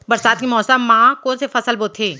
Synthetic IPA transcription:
bɐɾsaːt̪̚kimɔːsəmːãːkõːnsefɐsəlboːt̪ʰeː

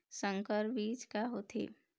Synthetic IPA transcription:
sə̃ŋkəɾbiːt͡ʃkaɦot̪ʰḛː

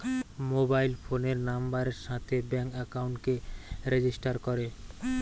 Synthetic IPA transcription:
mobajlfʰoneɾnambaɾeɾʃat̪ʰebɛŋkɛkauɳʈkeɾed͡ʑisʈaɾkoɾe

